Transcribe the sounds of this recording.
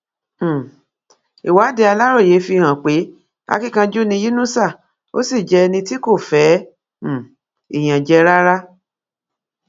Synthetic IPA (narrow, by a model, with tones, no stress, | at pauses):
i˨wa˨˦de˧a˧la˦ɾo˦˨je˨˦fi˧˨hã˨k͡pe˨˦ | a̰˦ki˦kã˧d͡ʒo˦nĩ˧ji˦nũ˦sa˦˨ | o̰˦si˦˨d͡ʒɛ˧nĩ˧ti˦ko˦˨fɛ̃˨˦˨ | i˨j̃ã˨d͡ʒɛ˧ɾa˦ɾa˦